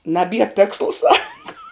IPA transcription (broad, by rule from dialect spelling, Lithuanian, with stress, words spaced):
nɐˈbʲiɛ ˈtʲeːkslˠɐ ˈsɑːkɐ